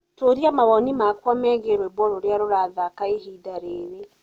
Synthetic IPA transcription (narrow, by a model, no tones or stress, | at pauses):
toːɾiamaβɔnimakwamɛɣeɾwɛβwɔɾoɾeaɾoɾaːðakaehidaɾeːɾe